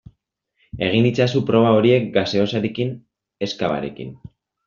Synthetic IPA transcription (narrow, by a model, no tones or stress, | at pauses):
e̞ɣ̞init͡sasupɾo̞β̞ao̞ɾie̞k̚ɡase̞o̞saɾekin | e̞skaβa̰ɾe̞kḭn